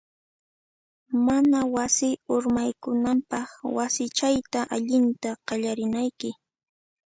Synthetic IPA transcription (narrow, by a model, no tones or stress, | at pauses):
manawasɪʊɾmajkʊnampɑχwasɪt͡ʃajt̪aʔaʎɪnt̪aqɑʎaɾɪnajkɪ